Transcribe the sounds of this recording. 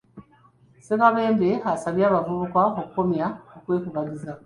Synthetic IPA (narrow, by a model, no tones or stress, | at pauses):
sekaβe̞ːmbehasaβjaːβavuβukwaokuko̞mjaokwe̞ːkuβaɟiza